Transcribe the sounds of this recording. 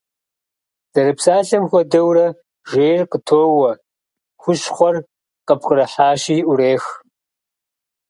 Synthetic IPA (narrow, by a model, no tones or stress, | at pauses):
z̥ɐɾɨpsaːɬɐmxʷɔdɐwrɐ | ʒeːrqətʰoːwɐ | xʷʊʃχʷɔr | qəpʰxɨɾɐħaːʃiːʔuɾeːx